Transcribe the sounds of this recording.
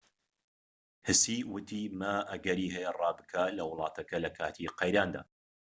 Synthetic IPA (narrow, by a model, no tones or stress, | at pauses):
hɨsiwʊt̪ʰimɐʔɐɡɐɾiːhɛjɐrˤɑːbɨkʰalɐwɨlˠɑːt̪ʰɐkɐlɐkʰaːt̪ʰiqɐjɾaːnd̪a̰ː